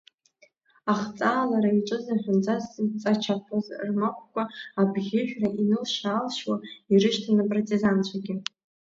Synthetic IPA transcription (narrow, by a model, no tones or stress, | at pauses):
aχt͡sʼaːlaɾaiʈ͡ʂʼɨzaħʲʷᶣʊnd͡zʼazt͡sʼat͡ʃʰapʰazrmakʷʰʼkʷʼaabɣʲɪħᶣraʔinɨlʃaːlʃwairɨʃtʰanapʼrotʼizant͡ɕʷʰaɡʲɪ